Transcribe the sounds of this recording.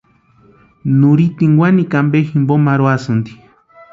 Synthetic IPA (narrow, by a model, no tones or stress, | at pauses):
nuɾit̪iŋɡʷwanikambeximbomaɾwasɨnd̪i̥